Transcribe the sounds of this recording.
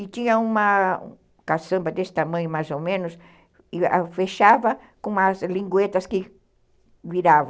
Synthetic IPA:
ɪt̪ĩɲɐũmɐ̃ | kasɐ̃mbɐd̪esɪ̥t̪amɐ̃ɲʊmajzomẽnʊs | ɪa̰feʃavɐ | kõmɐzlĩŋɡwet̪ɐskɪ | viɾavɐ̃

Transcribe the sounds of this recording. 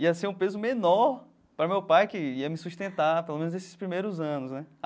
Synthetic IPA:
iɐseũpezʊmenɔɾ | pɾɐmewpajkɪiɐmɪsust̪ẽnt̪apelomẽnznesɪ̥spɾimejɾʊzɐ̃nʊsnɛ

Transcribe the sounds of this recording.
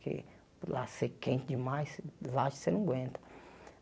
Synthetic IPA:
kḛ | lasekẽnt̪d͡ʒɪmajslaʃsenɐ̃ɡwẽnt̪ɐ̥

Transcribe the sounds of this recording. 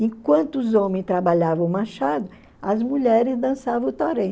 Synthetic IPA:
ẽkwɐ̃nt̪ʊʊzõmẽj̃st̪ɾabaʎavɐ̃ʊmaʃad̪ʊ | ɐzmuʎɛɾɪzd̪ɐ̃savɐ̃ʊt̪aɾẽ

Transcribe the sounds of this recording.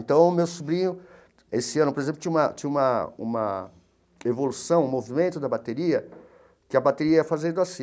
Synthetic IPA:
nt̪ɐ̃w̃ʊmewsubɾĩɲʊ | esɪɐ̃nʊpoɾezẽplʊt͡ʃĩumɐt͡ʃ̪ĩũmɐṵ̃mɐ̰ | evolusɐ̃w̃ũmovimẽnt̪ʊd̪ɐbat̪eɾiɐ | kɪɐbat̪eɾiɐɛfazẽd̪oasĩ

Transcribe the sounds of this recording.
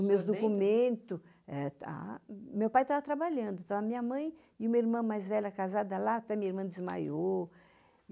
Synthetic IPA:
mewzd̪okumẽnt̪ʊ | ɛt̪a̰mewpajt̪avɐt̪ɾabaʎɐ̃nd̪ʊt̪ɐ̃wṽɐmĩɲɐmɐ̃j̃ | ɪũmɐiɾmɐ̃majzvɛʎɐkazad̪ɐlaat̪ɛmĩɲɐiɾmɐ̃d̪ɪzma̰jo

